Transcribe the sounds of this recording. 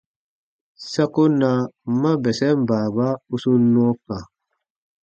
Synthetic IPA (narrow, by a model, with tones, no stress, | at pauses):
sa˦ku˦na˨ma˦bɛ˨sɛ˦m˦ba˨ba˦u˦su˦nɔ˦ka˨